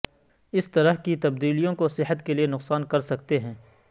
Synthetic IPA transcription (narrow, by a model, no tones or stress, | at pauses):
ɪst̪ɐɾəɦkit̪ɐbd̪iːlijõkosɪɦət̪kelienʊqsaːnkɐɾsɐk̚t̪eɦɛ̃ː